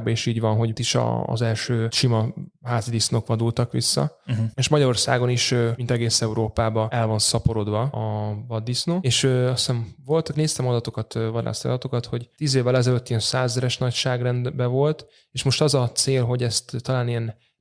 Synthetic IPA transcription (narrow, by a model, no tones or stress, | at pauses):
ɡ̚bɛeːʃiːɟvɒnɦo̞ɟt̪iʃɒ̰ːzɛlʃøːʃimɒɦaːzid̪isnokʋɒd̪ult̪ɒkʋisːɒ̰eʃmɒɟɒɾo̞rsa̰ːɡo̞niʃømint̪ɛɡeːsɛuɾoːpaːbɒɛlvɒnsɒpo̞ɾo̞d̪ʋɒɒvɒd̪ːisnoːeːʃøɒst̪ɛɱvo̞lt̪kneːst̪ɛmɒd̪ɒt̪o̞kɒt̪vɒd̪a̰ːst̪iɒ̰d̪ɒt̪o̞kɒt̪ho̞ɟt̪iːzeːvːɛlɛzɛløt̪ːijɛnsaːzɛɾɛʃnɒcʃaːɡrɛnd̪bɛvo̞lt̪ | eːʃmo̞ʃt̪ɒzɒt̪seːlɦo̞ɟɛst̪ːɒlaːnijɛn